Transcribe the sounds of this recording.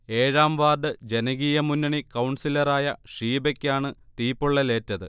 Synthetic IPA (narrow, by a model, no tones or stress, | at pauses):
e̞ːɻaːmʋaːrɖɨd͡ʑe̞nɐɣijɐmunːɐɳikɐwɳsilɐraːjɐʂiːbekʲːaːɳɨt̪iːpːuɭːɐle̞ːtːɐðɨ